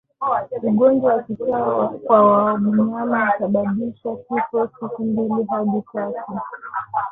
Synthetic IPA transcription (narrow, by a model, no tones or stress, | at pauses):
uɠɔnd͡ʒwawakitakwawaɓuɲamausaɓaɓiʃakikɔsikumbiliɦaɗitatu